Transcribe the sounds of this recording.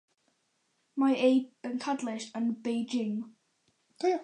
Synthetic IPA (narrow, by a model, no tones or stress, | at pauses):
maɪeɪb̥ə̃nkʰadlɪʃə̃nbeɪd͡ʒɪ̃ŋ